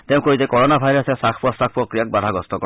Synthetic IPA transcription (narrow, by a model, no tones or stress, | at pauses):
t̪eʊ̃koɦizekɔɹɔnabʱajɾɔsesakʰpɔst̪ak̚ʰpɔkɾijak̚bad̪ʱaɡɔst̪ɔkɔ